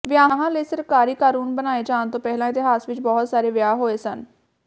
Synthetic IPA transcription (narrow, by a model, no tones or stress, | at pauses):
ʋɪjaːɦãːləiːsəɾkaːɾiːkaːɾuːnbənaːeːd͡ʒaːnt̪õːpɛɦlãːɪt̪ɪɦaːsʋɪt͡ʃbɔːt̪saːɾeːʋjaːɦoːeːsən